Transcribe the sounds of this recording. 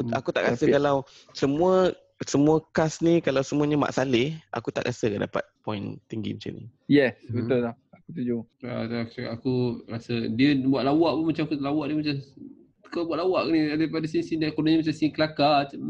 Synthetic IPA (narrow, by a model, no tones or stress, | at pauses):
kuakut̪aʔkasəkalaw | səmũə | səmuəkasnikalawsəmuəɲama̰ʔsalɪhʔa̰kut̪a̰ʔɾasəkəda̰pa̰t̪̚pɔint̪iŋɡḭmət͡ʃa̰nḭjɛsbət̪ʊllaakut̪ud͡ʒoa̰a̰ʔakuɾasədiəbuaʔ̪lawaʔpunmat͡ʃamakut̪lawaʔdiəmat͡ʃḁ | kabuaʔlawaʔniadapadas̬insindakodaɲamat͡ʃamsiiŋkəlakat͡ʃam